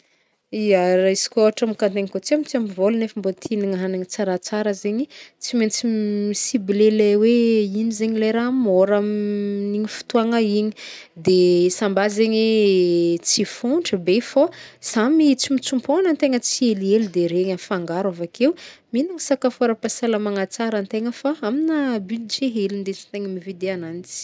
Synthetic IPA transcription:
iaɾaisi̥kʲoaʈ͡ʂamikant̪eŋikot͡siamit͡siamivolunefəmbot̪ʰiniŋaɦanaɲit͡saɾat͡saɾəzeɲit͡siment͡siisibilelajweinizeɲilajɾamoɾamniɲifu̥t̪uaŋaiɲi | d̪esambazeɲi | t͡sifuɳʈ͡ʂəbefosamit͡simit͡sumponənt̪eŋət͡sielielud̪eɾeɲəfaŋɡaɾavakʰewminaŋisakafoɾəpasaləmaŋat͡saɾənt̪eŋəfaaminəbyld͡ʒeɦelind̪et͡sint̪eŋəmivid̪eananit͡si̥

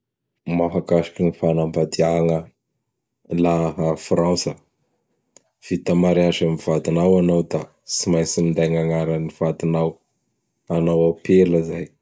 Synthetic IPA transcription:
maɦakaʃḁkinifanambad̪iaŋə | laɦafransə | v̥it̪amaɾiaʒamiv̥ad̪inawanawd̪a | simajsimind̪ajŋaŋaɾəniv̥ad̪inaw | anawapeləzaj

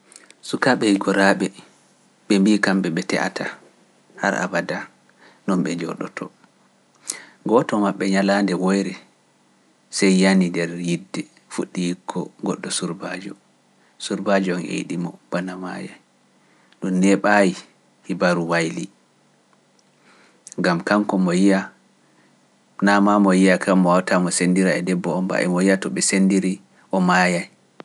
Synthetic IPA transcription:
sukaɓɛhiɡɔɾaːɓɛ | ɓɛmbikamɓɛɓɛtɛ̰ʔa̰tʰa | ha̰ɾa̰bada | nɔnɓɛd͡ʒɔ̰ɗɔ̰tʰɔ | ɡɔtɔmaɓːɛɲalaːndɛwɔjɾɛ | sɛjːanindɛɾjidːɛ | fuɗːijikʰːɔɡɔɗːɔsuɾbad͡ʒɔ | suɾbad͡ʒɔɔnɛ̰jḭɗimɔb̥anama̰ja̰j | ɗunnɛɓaji | hibaɾuwajli | ŋɡamkaŋkɔmɔjija | namamɔjijakʰamːɔwawtamɔsendiɾaɛdɛbːɔɔmba̰ʔɛ̰mɔjijatɔɓɛsendiɾi | ʔɔmajaj

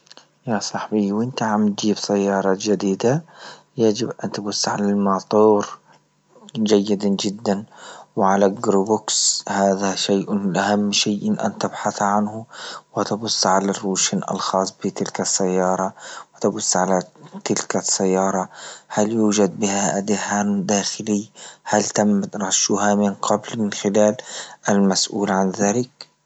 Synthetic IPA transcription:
jasˤɑħbiwʔɪnt̪aʕamt̪̚d͡ʒiːbsajːɑːɾˤɑd͡ʒad̪iːd̪a | jad͡ʒɪbʔant̪bʊsːʕalalmɑt̪ˤuːɾ | d͡ʒajːɪd̪ad͡ʒɪd̪ːanwʕalaɡɾubʊkshaːðaʃeːʔlʔahamːʃiːʔɪnʔa̰nt̪ɪbħaθʕanhʊwɪt̪abʊsːʕalarːuːʃnʔa̰lxɑːsˤbɪt̪ɪlkasːajːɑːɾˤɑwɪt̪abʊsːʕalat̪ɪlkasːajːɑːɾˤɑhaljuːd͡ʒad̪̚bɪhaʔad̪ɪhaːmd̪aːxɪlɪjːhalt̪amːt̪ɾˤɑʃːʊhamɪnqɑblmɪnxɪlaːlʔalmasʔuːlʕanðaːlɪk

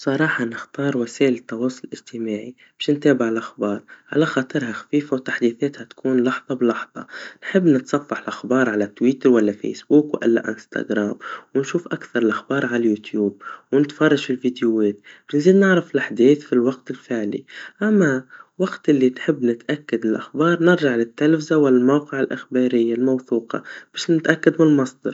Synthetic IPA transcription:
sˤɑɾˤɑːħɑnɪxt̪ɑːɾˤwaseːʔɪlɪt̪ːɑwɑːsˤʊlʔɪd͡ʒt̪ɪmaːʕi | b̥ɪːʃnt̪eːbɪʕɪlʔaxbɑːɾˤʕa̰laxɑːt̪ˤɨɾhaxḁfiːfawt̪aħd̪iːθeːt̪hat̪kuːnlɑħðˤɑblɑħðˤɑ̰nħɪbːnɪt̪sˤɑfːɑħɪlʔaxbɑːɾˤʕalat̪wiːt̪ɪɾwalːafḛjsbuːkwʔɪ̰lːa̰ʔɪ̰nst̪a̰ɡɾaːmwɪnʃuːfʔakθɑɾˤɪlʔaxbɑːɾˤʕalajuːt̪juːb̚wnɪt̪fɑrˤːɑʒɪlvid̪juweːt̪bnziːd̪nɪʕɾɪfɪlʔaħd̪iːθfilwaɡt̪ɪlfɪʕlḭʔamːawaɡt̪ʔɪlːinħɪbːnɪt̪ʔakːad̪ɪlʔaxbɑːɾˤnɪɾʒaʕlɪt̪ːalfɪzawalːalmawqɪʕɪlʔɪxbɑːɾɪjːalmawθuːqɑ̰b̥eːʃnɪt̪ʔakːad̪mɪlmɑsˤd̪ɑɾ

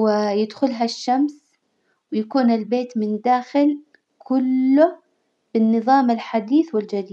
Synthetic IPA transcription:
ɪjɪd̪xʊlɦaʃːams | wɪjakuːnɪlbeːt̪mɪnd̪aːxɪl | kʰʊlːʊ | b̥ɪnːɨðˤɑːmɪlħad̪iːθwɪld͡ʒad̪iːd̪

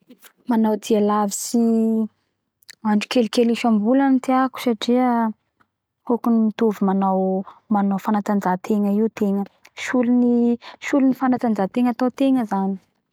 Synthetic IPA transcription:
manawd̪ialavisi | aɳʈ͡ʂu̥kelkeliʃambulanit̪eaku̥saʈ͡ʂiə | kokunit̪uvimanawmanawfanat̪and͡ʒat̪ʰeŋəiwt̪eŋəʃuluniʃulunifanat̪and͡zat̪eŋat̪awt̪eŋəzani̥

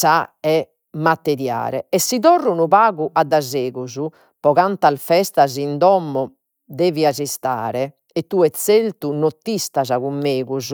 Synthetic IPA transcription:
saɛ | mːat̪ːɛɾja̰ːɾɛ̰ɛsːiðɔrːunuβaːɣuʔad̪ːazeːɣuzu | pɔɣant̪alfɛst̪azind̪ɔmːɔ | d̪eːviazist̪a̰ːɾɛ | ɛt̪ːuɛt̪sːelt̪unot̪ːist̪azaɣumːeːɣuzu

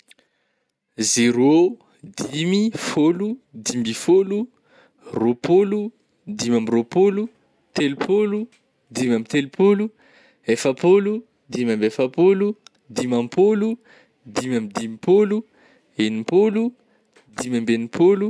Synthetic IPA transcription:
zeɾo | d̪imifolud̪imbifolu | ropolu | d̪imamiropolu | t̪elupʰolu | d̪imamit̪elupʰolu | efapolu | d̪imambefapolu | d̪imampʰolu | d̪imamid̪imipolu | enipolu | d̪imambenipʰolu

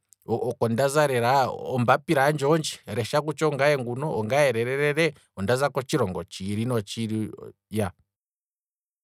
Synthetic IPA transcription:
ɔkɔndazaɾɛɾaɔmbapiɾand͡ʒɔnd͡ʒiɾɛʃakut͡ʃɔŋɡajɛŋɡunɔɔŋɡajɛɾɛɾɛɾɛɾɛ | ɔndazakɔt͡ʃiɾɔŋɡɔt͡ʃiɾinɔt͡ʃiɾija

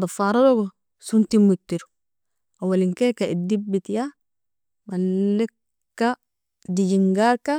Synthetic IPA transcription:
dafaːɾadoɡo | suntimːut̪ːiɾu̥ | awaliŋkekaidibit̪ja | malːekː | a | diɟiŋɡaɾka

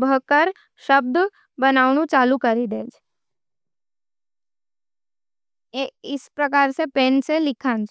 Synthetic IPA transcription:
bʱəkəɾ | ʃəb̚d̪ | bənaːʊnũt͡ʃaːlukəɾid̪eːd͡ʒ | eɪspɾəkaːɾsepẽːnselɪkʰãːnd͡ʒ

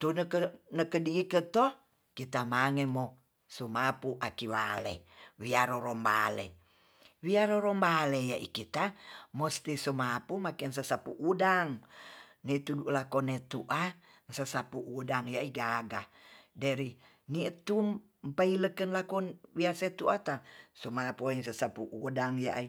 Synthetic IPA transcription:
t̪unkənəkədiikət̪ɔ | kit̪amaŋemo | sumapuʔakiwa̰lḛwiaɾoɾɔmba̰lḛ | wiaɾoɾɔmbalejaʔḭkit̪amɔst̪isumapumakɛns̬asapuʔudaŋnit̪uduʔlakɔnet̪uʔa | nsasapuʔudaŋjaʔiɡaɡadaɾi | niʔt̪um | mpailəkənlakɔnwiaset̪uʔat̪asumapuiŋs̬asapuʔudaŋja̰ʔi

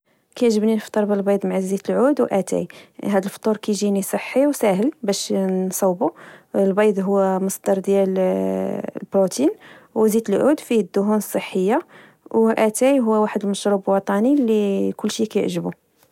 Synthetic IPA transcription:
kæjʕʒəbninəft̪ˤːɑɾˤbəlbɑjd̪ˤmʕazit̪əlʕud̪wʔæt̪æ̰jɦæd̪əlft̪ˤuɾkæjʒinisˤəħːiwsæɦəlbæʃnsˤɑwbulbɑjd̪ˤɦʊwːæməsˤd̪ɑɾˤd̪jæl | lbɾut̪inwzit̪əlʕud̪fid̪ːʊɦunəsˤːəħːəjːa | wʔæt̪æjɦʊwːæwaħəd̪əlməʃɾublwɑt̪ˤɑnilikʊlːʃikæjʕʒəbu

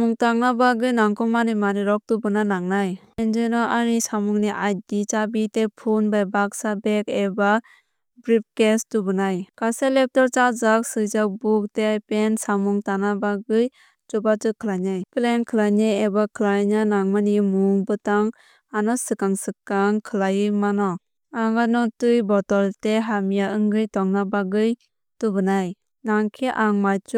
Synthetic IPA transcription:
muŋtaŋnabaɡɯjnaŋkɔmanimaniɾɔk̚tubɯnanaŋnaj | end͡ʒɯjnɔʔaɾisamuŋniʔaj̚dit͡ʃabitepʰunbajbak̚sabekeba | bɾip̚kestubɯnajkaselep̚tɔɾt͡ʃazak̚sɯzak̚buk̚tejpensamuŋtanabaɡɯj | d͡ʒɔbatɯkʰɯlajnajplenkʰɯlajnajebakʰɯlajnɯnaŋmanimuŋbɯtaŋ | anɔsɯkaŋsɯkːaŋkʰɯlajɯmanɔ | aŋanɔtɯjbɔtɔlteɦamijaɯŋɡɯjtɔŋnabaɡɯj | tubɯnaj | naŋkʰiʔaŋmajt͡ʃu

